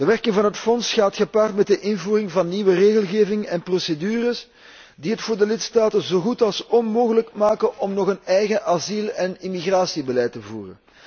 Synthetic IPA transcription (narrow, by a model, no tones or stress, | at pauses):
dəʋɛrkɪŋvɑnɦətfɔnsxaːtxəpaːrtmɛt̚dəʔɪnvuːrɪŋvɑnːiʋəreːɣəlˠɣeːvɪŋɛnprosedyːrəs | diɦətfʊːrdəlɪtstaːtənzoːɣutɑlˠsɔnmoːɣələkmaːkənʔɔmnɔɣənɛjɣəʔazilɛnimiɣraːsibəlɛjtəvṵːrə̰n